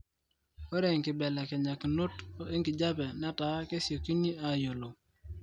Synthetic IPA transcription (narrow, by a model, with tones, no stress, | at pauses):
o˦ɾe˨ŋkɪ˨bɛ˨lɛ˨kɛ˨ɲa˨kno˦to˦e˦ŋɡi˨d͡ʒa˦bɛ˨na˦ta˨˦ke˦sjo˨ki˦ni˦a˨jo˨lo˨